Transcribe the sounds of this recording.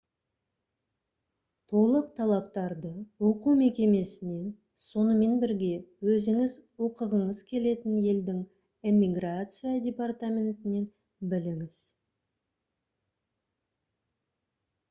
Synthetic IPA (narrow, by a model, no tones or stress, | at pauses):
t̪ʰo̞lˠəq̚t̪ʰɑlˠɑp̚t̪ɑɾd̪əwoquwme̞kʲe̞me̞sɪne̞n | so̞nəme̞nbɪɾɡʲe̞wɵzɪŋɪzwo̞qəʁəɴəzkʲʰe̞le̞t̪ɪnje̞ld̪ɪŋ | imʲːiɡrat̪sɨjadʲe̞part̪amʲe̞nt̪ɪne̞n | bɪlɪŋɪz̥